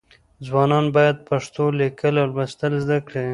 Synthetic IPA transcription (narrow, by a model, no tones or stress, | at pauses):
zwɑnɑnbɑjad̪̚paʂt̪olikəlawlbast̪əlzd̪akɽe